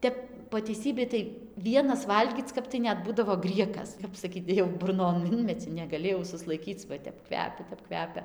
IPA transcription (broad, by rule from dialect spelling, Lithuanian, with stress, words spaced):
ˈtʲɛp poː tʲɛɪˈsʲiːbʲɛɪ tɐɪ ˈʋʲiɛnɐs ˈʋɐlʲɡʲiːt͡s ˈkɐp tɐɪ ˈnʲɛt ˈbuːdɐʋoː ˈɡrʲiɛkɐs ˈkɐp sɐˈkʲiːt jɛʊ bʊrˈnoːn ˈɪnʲmʲɛt͡sʲɪ nʲɛɡɐˈlʲɪ jɛʊ sʊslˠɐɪˈkʲiːt͡s ʋɐ ˈtʲɛp ˈkʋʲæːpʲɛ ˈtʲɛp ˈkʋʲæːpʲɛ